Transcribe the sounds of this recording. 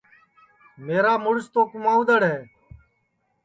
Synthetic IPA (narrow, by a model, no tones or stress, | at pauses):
meːɾaːmʊɽst̪oːkʊmaːʊd̪əɽɦeː